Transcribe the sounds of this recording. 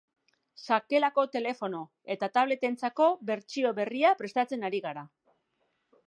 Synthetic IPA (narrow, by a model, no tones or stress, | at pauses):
sake̞lako̞t̪e̞le̞fo̞no̞ | e̞t̪at̪aβle̞t̪e̞nt͡sako̞βe̞ɾt͡ʃio̞βe̞riapɾe̞st̪at͡se̞naɾiɣaɾa